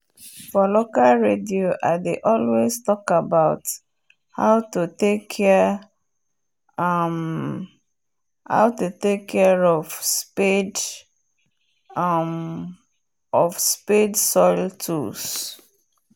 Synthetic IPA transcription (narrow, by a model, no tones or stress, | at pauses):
fɔlokalɹedioʔaɪdeʔɔlweztɔkabaʊt | haʊtutekʰːɛ | m | ha̰ʊtutekʰːɛɹɔvsped | m | ɔfspedsɔɪltʰṵs